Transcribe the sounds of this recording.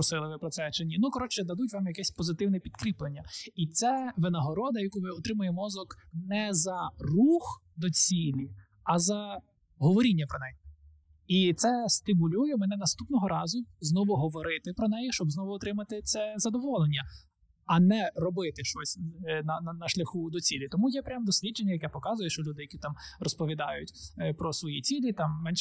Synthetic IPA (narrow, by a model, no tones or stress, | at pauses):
ɾʊsɪlˠɪʋɪpɾɔt̪sɛt͡ʃɪnʲinukɔɾɔt͡ʃɛd̪ɐd̪utʲʋɑmjɐkɛsʲpɔzɪt̪ɪwnɛpʲid̪kɾʲiplˠenʲːɐit̪sɛʋɪnɐɦɔɾɔd̪ɐjɐkuʋɪɔt̪ɾɪmʊjemɔzɔknɛzɐrux | d̪ɔt͡sʲilʲi | ɐzɐ | ɦɔʋɔɾʲinʲːɐpɾɔnɛji | it̪sɛst̪ɪmʊlʲujɛmɛnɛnɐst̪upnɔɦɔɾɑzʊznɔʋʊɦɔʋɔɾɪt̪ɪpɾɔnɛjiʃt͡ʃɔbznɔʋʊɔt̪ɾɪmɐt̪ɪt̪sɛzɐd̪ɔʋɔlˠenʲːɐ | ɐnɛɾɔbɪt̪ɪʃt͡ʃɔsʲnɐnɐnɐʃlʲɐxud̪ɔt͡sʲilʲit̪ɔmujɛpɾʲamd̪ɔsʲlʲidd͡ʒenʲːɐjɐkɛpɔkɑzʊjɛʃt͡ʃɔlʲud̪ɪjɐkʲit̪ɑmrɔspɔʋʲid̪ɑjʊtʲpɾɔsʋɔjit͡sʲilʲit̪ɑmːɛnʃ